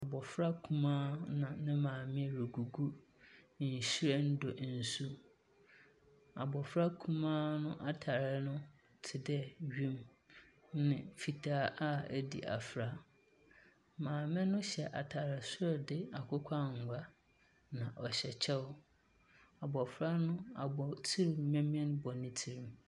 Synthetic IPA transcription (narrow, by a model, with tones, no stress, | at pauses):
a˨bɔ˨fɾa˦kʰũ˦mãː˦nã˨nɪ̃˦mãː˨mɪ̃˦ɾu˨ɡu˨ɡu˦˨ | n̩˨ɕi˦ɾe˦n̩˦do˨˦n̩˨su˦ | a˨bɔ˨fɾa˦kʰũ˦mãː˦nʊ̃˦ʔa˨tʰa˨ɾɪ˦nʊ̃˦ | tʰɪ˨dɛ˦ɥĩ˦m | nɪ̃˦fi˨tʰaː˦ʔa˦æ˦dḭ˨ʔa̰˨fɾa˦ | mãː˨mɛ̃˦nʊ̃˦ɕɛ˨ʔa̰˨tʰa˨ɾa˨sʊ˦ɾɔ˨dɪ˦a˨kʷʰʊ˦kʷʰa˦ŋ˨ɡʷa˦ | nã˨ʔɔ˨ɕɛ˨t͡ɕʰɛ˦ʊ˦ | a˨bɔ˨fɾa˦nʊ̃˦a˨bɔ˨tʰi˦ɾmɛ̃˦mĩ˦ɛ̃˦n˦bɔ˨nɪ̃˦tʰi˦ɾĩ˦m